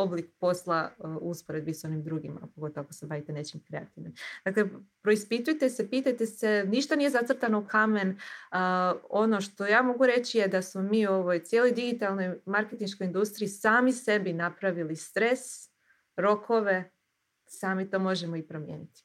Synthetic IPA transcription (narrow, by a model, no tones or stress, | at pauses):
o̞blikpo̞slˠauspoɾe̞d̪̚biso̞nimd̪ɾuɡḭma̰poɡo̞t̪oʋoako̥sebaʋit̪ene̞t͡ɕimkɾe̞at̪iʋnimd̪̥akle̞pɾo̞ispit̪ujt̪e̞sepiːt̪ajt̪e̞seniʃt̪anijezat̪r̩ɾt̪ano̞ukʰamen | o̞no̞ʃt̪o̞jaːmo̞ɡuɾe̞t͡ɕijed̪asmomiːuo̞ʋo̞jt̪sjeːlˠo̞jd̪iɡit̪alˠno̞jmaɾke̞t̪inʃkoind̪ust̪ɾiːsaːmise̞binapɾaʋilist̪ɾe̞s | ɾo̞kʰo̞ʋe̞ | saːmit̪o̞ːmo̞ʒemo̞ipɾomjḛːnit̪i̥